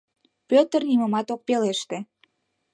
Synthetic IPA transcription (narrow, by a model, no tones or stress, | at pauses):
pøt̪ərniməmɑt̪ok̚peleʃt̪e